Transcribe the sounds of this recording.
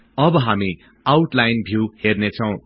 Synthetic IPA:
ʌbʌɦami | awʈlajnbʱjuhernet͡sʰʌw̃

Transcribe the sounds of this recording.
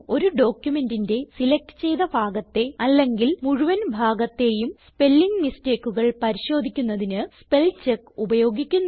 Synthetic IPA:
o̞ɾuɖo̞ːkjume̞ndinde̞silek̚tɨ̥t͡ɕe̞jðɐbʱaːɡɐt̪ːe̞ɐlːe̞ŋɡilmuɻuʋɐnbʱaːɡɐt̪ːe̞jumspe̞lːiŋɡniste̞ːkːuɣɐɭpɐɾiɕo̞ːd̪ʱikʲːunːɐðinɨspe̞lt͡ɕekːubɐjo̞ːɡikʲːunː

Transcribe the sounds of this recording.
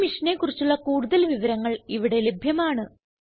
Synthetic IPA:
miʂɐne̞kːurit͡ɕːuɭːɐkuːɽuðɐlʋiʋɐɾɐŋːɐɭiʋiɽe̞le̞bʱjɐmaːɳɨ

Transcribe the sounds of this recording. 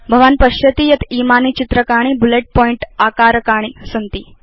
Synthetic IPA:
bʱəʋanpəɕjət̪iːjət̪imanit͡ɕit̪ɾəkaɽ̃ibuleʈ̚pɔiɳʈakaɾkaɽ̃iːsənt̪iː

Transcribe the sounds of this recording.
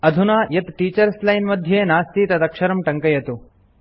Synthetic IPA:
ɐd̪ʱunaːjɐt̪ʈiːt͡ʃɐɾslɐjnmɐd̪ʱjeːnaːst̪iːt̪ɐd̪ɐkʂɐɾɐmʈɐŋkɐjɐt̪u

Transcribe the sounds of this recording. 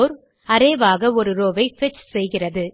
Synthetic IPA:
ɾ | ɐɾeːʋaːɣɐɔɾɯɾoːʋɐɪfɪt͡ʃsɛjɣɪrɐðɯ

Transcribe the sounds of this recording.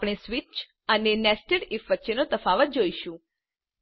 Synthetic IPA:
pɽ̃esʋit͡ʃ | ənenɛsʈəɽɪfʋətːʃenot̪əfaʋət̪̚d͡ʒoiʃũ

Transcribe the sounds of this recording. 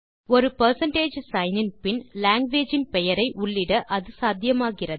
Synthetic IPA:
ɔɾɯpɐɾsɐɳʈeːd͡ʒsɐɪnɪnpɪnlaːŋɡʋeːd͡ʒɪnpɛjɐɾɐɪʔʊɭːɪɽɐʔɐðɯsaːd̪ʱjɐmaːɣɪrɐ

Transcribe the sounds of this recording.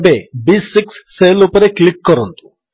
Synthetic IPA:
bebisːiksːeːlupɐɾeklikːɐɾont̪u̥

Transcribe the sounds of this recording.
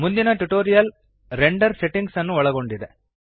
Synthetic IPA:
mʊnd̪ɪnɐʈuʈoːɾɪjɐl | ɾɛɳɖɐɾsɛʈːɪŋɡsɐnːɯʋɐɭɐɣoɳɖɪðe

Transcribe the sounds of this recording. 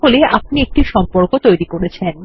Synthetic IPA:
oleap̚niek̚ʈiʃɔmpoɾkot̪ojɾikoɾet͡ɕʰen

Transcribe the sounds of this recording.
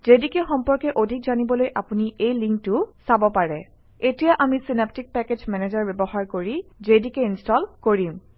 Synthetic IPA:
zedikɛxɔmpɔɹkɛʔodʱikzanibɔlojʔapuniʔejliŋk̚tʊsabɔpaɹɛ | etijaʔamisinap̚tik̚pɛkezmɛnezaɹbɛbɔxaɹkoɹizedikɛinstɔlkoɹim

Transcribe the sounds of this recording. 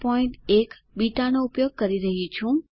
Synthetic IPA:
pɔiɳʈek | biʈanoupjoɡ̚kəɾiɾəɦit͡ʃʰũ

